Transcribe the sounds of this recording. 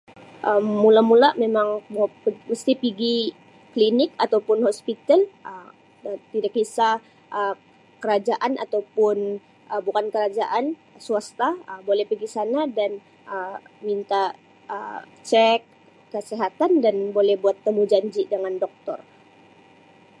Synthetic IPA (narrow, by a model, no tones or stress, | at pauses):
ʔəmːulamulamemaŋpməst̪ipiɡi | klinɪkat̪awpʊnhospit̪alʔə | t̪idakisa | ʔə | kəɾad͡ʒaʔanʔa̰t̪awpʊn | əbukankəɾad͡ʒaʔansuast̪aəbolɛhpiɡisanadan | ʔəmint̪a | ə | t͡ʃɛk̚ː | əseɦat̪andanbolɛhbuat̪ːəmud͡ʒaɲd͡ʒidəŋandɔk̚t̪ɔ̰r